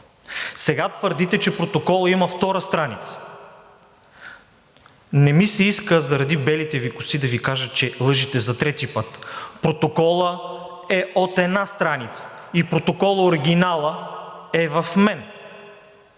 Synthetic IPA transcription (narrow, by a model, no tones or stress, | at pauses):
sɛɡat̪vəɾd̪it̪ɛt͡ʃɛpɾot̪okɔlˠəiməft̪ɔɾəst̪ɾanit̪sə̥ | nɛmisɛiskəzɐɾɐd̪ibɛlit̪ɛvikʊsid̪ɐvikaʒət̪̚t͡ʃɛlˠɤʒit̪ɛzɐt̪ɾɛt̪ipɤt̪pɾot̪okɔlˠə | ɛot̪ɛd̪nast̪ɾanit̪sə̥ipɾot̪okɔlˠəoɾiɡ̟ʲinalˠəɛvɐfmɛn